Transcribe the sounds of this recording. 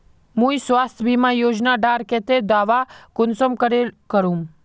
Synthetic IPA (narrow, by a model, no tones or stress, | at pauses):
mũisʋaːst̪ʰbʱimãjoːd͡ʒnaɖaːɾkɛt̪ed̪aːʋakʊnsəmkəɾelkəɾũm